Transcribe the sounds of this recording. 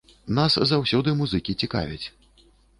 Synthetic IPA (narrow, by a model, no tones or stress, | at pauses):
naszawsʲɔd̪ɨmuzɨkʲit͡sʲika̰vʲit͡sʲ